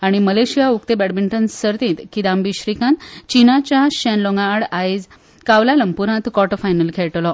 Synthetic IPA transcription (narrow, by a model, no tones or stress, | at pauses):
aɽ̃iməleɕijauk̚t̪ebɛɽbiɳʈənsəɾt̪ĩːt̪kid̪ambiɕɾikãnt̪t͡ɕinat͡ɕaɕɛ̃nloŋɡaːɽajd͡z | kaʋlaləmpuɾãt̪kɔʈfajnəlkʰɛɭʈlɔ